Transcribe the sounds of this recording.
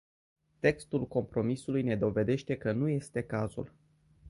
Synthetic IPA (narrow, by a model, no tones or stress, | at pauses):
t̪e̞kst̪ulko̞mpɾo̞misulujne̞d̪o̞ve̞d̪e̞ʃt̪e̞kənuje̞st̪e̞kazṵl